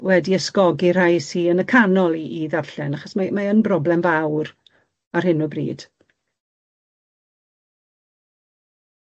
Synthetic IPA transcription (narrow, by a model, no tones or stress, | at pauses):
wɛdiəskɔɡir̥ajsiːənəkʰanɔlˠiʔiðav̥ɬɛnaχɔsmamaənbrɔblɛmvawr | arhɪnɔbrḭːd̥